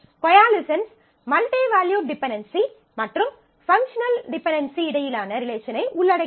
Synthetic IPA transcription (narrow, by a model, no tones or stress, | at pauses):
kɔjaːlɪsɐns | mɐlʈeːʋaːljuːɖɪpɛɳɖɐnsi | mɐʈrɯm | fɐŋkʂɐnɐlɖɪpɛɳɖɐnsiɪɽɐjɪlaːnɐɾɪleːʃɐnɐɪʔʊɭːɐɽɐɪ